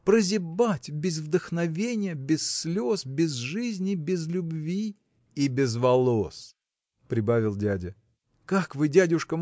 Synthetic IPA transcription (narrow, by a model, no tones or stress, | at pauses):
pɾəzʲɪbatʲbʲɪzvd̪əxnɐvʲenʲɪjəbʲɪsːlʲosbʲɪzʐɨzʲnʲɪbʲɪzlʲʊbvʲi | ibʲɪzvɐlˠos | pɾʲɪbavʲɪlˠdʲædʲɪ | kakvɨdʲædʲʊʂkə